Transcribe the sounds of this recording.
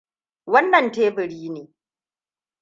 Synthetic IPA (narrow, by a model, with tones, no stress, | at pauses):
wɐ˦nːɐ˨nteː˦bɪ˨ɽiː˦neː˨